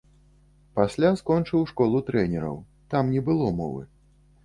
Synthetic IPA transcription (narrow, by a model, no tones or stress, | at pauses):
pasʲlʲaskɔnt͡ʂɨwʂkɔlˠut̪ɾɛnʲɛɾɐ̰w | t̪amnʲɛbɨlˠɔmɔ̰vɨ̰